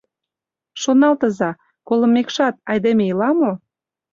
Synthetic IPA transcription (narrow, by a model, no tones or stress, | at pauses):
ʃonɑlt̪əzɑ | kolə̆mːekʃɑt̪̚ɑjd̪emejilɑmo